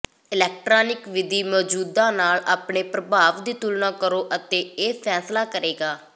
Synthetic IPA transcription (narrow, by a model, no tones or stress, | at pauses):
ɪlɛːk̚ʈɾaːnɪkʋɪd̪iːmɔːd͡ʒuːd̪ãːnaːlaːpɳeːpɾəbʱaːʋd̪iːt̪ulnãːkəɾoːʔət̪eːeːpʰɛːslaːkəɾeːɡaː